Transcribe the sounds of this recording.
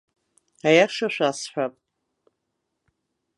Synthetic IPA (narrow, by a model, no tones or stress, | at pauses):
ajaʂaʃʷᶣasħʷᶣapʼ